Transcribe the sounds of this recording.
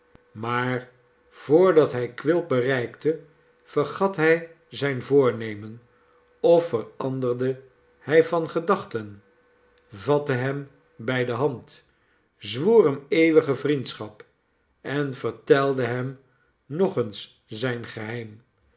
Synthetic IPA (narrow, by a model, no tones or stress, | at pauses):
maːɹ | v̥ʊːɹdɑtɦɛjkʋɪl̚ˠbərɛjktə | v̥ərχɑtɦɛj | zɛjnvʊːɹnejmən | ɔfərɑndərdə | hɛjvɑnχədɑχtən | vɑtəɦɛm | bɛjdəɦɑnt | zʋuːrɦɛmejʋəχəvrintsχɑp | ɛnv̥əɹtɛlˠdəɦɛm | nɔχəns | zɛjnχəɦɛjm